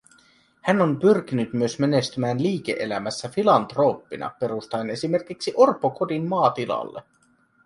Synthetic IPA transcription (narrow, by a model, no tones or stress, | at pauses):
hænːo̞mpyrk̟inyt̪myø̞sme̞ne̞st̪ymæːnliːk̟e̞̰ʔelæmæsːæfilɑnt̪ro̞ːpːinʔɑ̰pe̞ɾust̪ɑene̞sime̞rkiksiʔorpːoko̞dinmɑːt̪ilɑ̰lːḛ